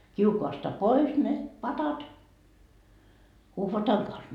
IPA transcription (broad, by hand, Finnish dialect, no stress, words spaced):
kiukoɑstɑ pois ne pɑtɑt uhʋɑtɑŋ kɑns